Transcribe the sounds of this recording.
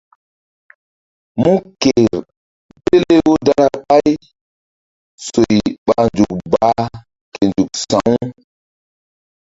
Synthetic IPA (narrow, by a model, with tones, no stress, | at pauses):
mũ˦ke˨ɾ | pe˦le˦wo˦da˦ɾa˦ɓa˦j | so˨jɓa˨˦nd͡ʒu˨k̚ba˨˦ | ke˨nd͡ʒu˨k̚sã˨˦w